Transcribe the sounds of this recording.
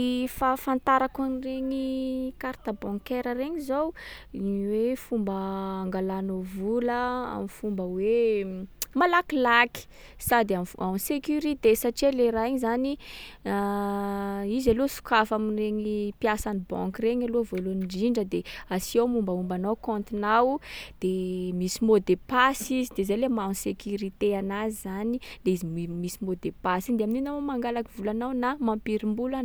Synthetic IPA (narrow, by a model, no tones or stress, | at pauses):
fafãnt̪aɾakunreɲikaɾt̪abɔ̃ŋkɛɾəreɲizowiwefumbəaŋɡalanovuləa̰mifumbəwe | malakilaki̥ | sad̪amamisekuɾit̪esaʈ͡ʂialeɾaiɲizani | izalosu̥kafamireɲipjasanibɔ̰̃ŋkireɲalovoloniɖ͡ʐiɳɖ͡ʐəd̪easiawmumbaumbanawkɔ̃nt̪inawd̪̥emisimod̪epasizid̪ezalemasekʰuɾit̪eanazizanileizimisimod̪epasid̪eamininawamaŋɡalakivulanawnamampiɾimbulan